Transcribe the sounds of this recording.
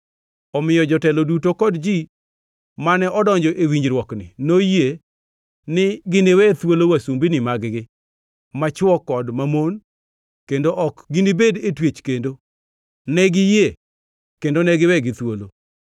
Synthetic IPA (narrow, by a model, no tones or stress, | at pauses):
ɔmɪjɔd͡ʒɔtɛlɔdutokɔdd͡ʒi | manɛʔɔdɔɲd͡ʒɔʔewiɲd͡ʒɾwɔknɪ̰noje | nɪɡɪnewɛt̪wolowasumbinɪmaɡɡɪ | mat͡ʃwɔkːɔdmamon | kendoʔɔkɡɪnibedetwet͡ʃkendo | nɛɡɪje | kendonɛɡɪwɛɡɪt̪wolo